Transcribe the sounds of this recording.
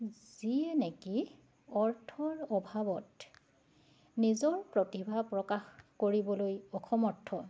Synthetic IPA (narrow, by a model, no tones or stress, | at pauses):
z̥ieneki | ɔɹtʰɔɹɔbʱabɔt | nizɔɹpɹotibʱapɹɔkaxkoɹibɔlojɔxʰɔmɔɹtʰːɔ